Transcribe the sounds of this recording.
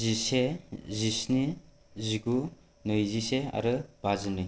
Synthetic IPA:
zisezisni | ziɡu | nɯjzisea̰ɾɯbazɯnɯ

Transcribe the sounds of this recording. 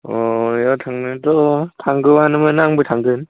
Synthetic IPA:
ɔjɔtʰaŋnɯdɔtʰaŋɡɯwanɯmɯnːaŋbɯtʰaŋɡɯn

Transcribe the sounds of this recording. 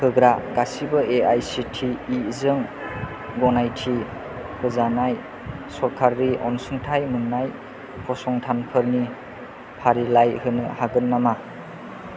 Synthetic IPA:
hɯɡɾaɡasibɯʔeajsitʰiːzɯŋ | ɡɔnajtʰi | hɯzanaj | sɔɾkʰaɾːiʔɔ̰nsɯŋtʰajmɯnnːaj | pʰɔsɔŋtʰanpʰɯɾni | pʰaɾilajhɯnɯhaɡɯnːama

